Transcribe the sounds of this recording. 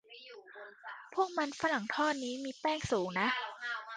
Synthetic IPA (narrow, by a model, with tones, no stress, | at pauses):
pʰu˥˩ək̚ma˧nfa˧˥la˨˩˦ŋt̪ʰɔː˥˩t̪̚niː˦˥miː˧pɛː˥˩ŋsuː˩˦ŋna˦˥ʔ